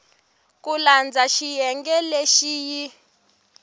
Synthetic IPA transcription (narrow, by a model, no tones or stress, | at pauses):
k̬ʼuland͡zaʃijɛŋɡɛleʃiːji